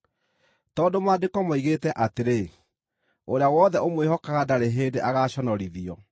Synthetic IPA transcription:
tɔːdomaːdekɔmɔiɣetɛʔateɾe | oɾeawɔðɛʔomwehɔkaɣadaɾeɦeːdeʔaɣaːɕɔnɔɾiðiɔ

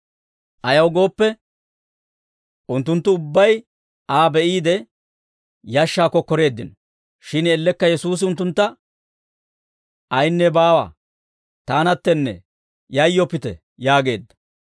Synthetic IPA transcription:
ʔɐjɐwɡo̞ːpːɛ | ʔʊnt̪ːʊnt̪ːʊʊbːɐj | aːbɛʔiːd̪ɛ | jɐʃːaːkːɔkɔɾe̞ːd̪ːɪnɔ | ʃɪnɛlːɛkːɐjɛsuːs̬ɪʊnt̪ːʊnt̪ːɐ | ʔɐjnːɛbaːwɐ̰ | t̪aːnɐt̪ːɛnːɛ̰ | jɐjːɔpːɪt̪ɛ̰ | jaːɡe̞ːd̪ːɐ̥

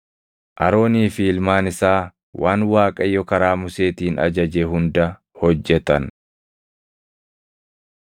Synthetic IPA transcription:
ʔɐɾo̞ːniːfiːlmaːnɪsaː | wʔaːnwaːkʼɐjːɔkɐɾaːmʊse̞ːt̪iːnɐ̰d͡ʒɐd͡ʒeɦʊnd̪ɐ | hɔd͡ʒːɛt̪ɐn

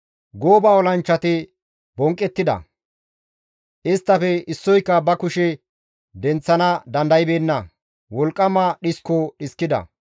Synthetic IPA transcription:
ɡoːbaːɔlɐnt͡ʃːɐt̪ɪ | bɔŋkʼːɛt̪ːɪd̪ɐ̰ | ʔɪst̪ːɐfɛʔɪsːɔjkːɐbɐkʊʃɛ | d̪ɛnt͡sːɐnɐd̪ɐnd̪ɐjɪbeːnːɐ | wɔlkʼːɐmɐɗɪskːɔɗɪskːɪd̪ɐ̰

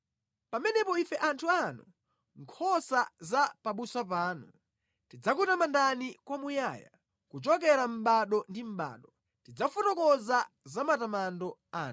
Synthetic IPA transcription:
pamɛnɛpɔifɛʔantʰuanu | ŋkʰɔsazapaɓuswapaːnu | tid͡zakutamandanikwamujaːja̰ | kut͡ʃɔk̬ɛɾam̩ɓaɗɔndim̩ɓa̰ːɗɔ | tid͡zafutɔkɔza | zamatamandɔaːn

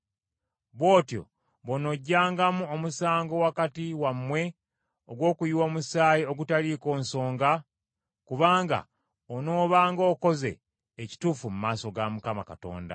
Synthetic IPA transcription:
βwo̞ːtjo̞̰ | βono̞ɟːaːŋɡamuomusaːŋɡo̞wakatiwamːwe̞ | oɡwo̞ːkujiwomusaːjio̞ɡutaliko̞ːnso̞ːŋɡa | kuβaːŋɡa̰ | ono̞ːβaːŋɡoːko̞ze̞̰ː | ci̥tuːfumumaːso̞ɡamukama̰kato̞̰ːnda̰

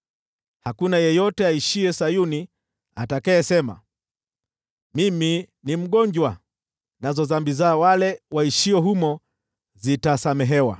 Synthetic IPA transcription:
hakunajɛjɔtɛaiʃiɛsajuni | atakajɛsɛma̰ | miminim̩ɠɔɲd͡ʒwa | nazɔzambizawalɛwaiʃiɔɦumɔ | zitasamɛɦɛwa̰

